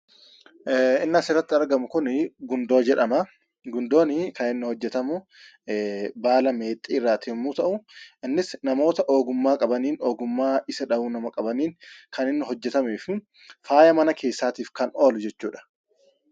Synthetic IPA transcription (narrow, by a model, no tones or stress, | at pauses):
ɪnːɐsɪrːɐt̪ːɪɐɾɡɐmʊkʊnɪɡʊnd̪oːd͡ʒɛᶑɐmɐ | ɡʊnd̪o̞ːnɪkɐnɪnːʊhɔd͡ʒːɛt̪ɐmʊ | baːlɐme̞ːt̪ʼːiːɪrːaːt̪ɪmːuːt̪ɐʔʊɪnːɪsnɐmo̞ːt̪ɐʔo̞ːɡʊmːaːkʼɐbɐniːnoːɡʊmːaːɪsɐᶑɐuːnɐmɐkʼɐbɐniːnkɐnɪnːʊɦɔd͡ʒːɛt̪ɐmeːfɪ | faːjɐmɐnɐkʰe̞ːsːaːt̪iːfkɐno̞ːlʊd͡ʒɛt͡ʃːuːᶑɐ̥